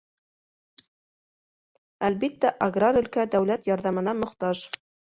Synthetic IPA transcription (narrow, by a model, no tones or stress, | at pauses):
ælbit̪ːæʔaɡraɾɵ̆lkæd̪æwlæt̪jɑɾðɑmɤ̆nɑmŏχt̪ɑʒ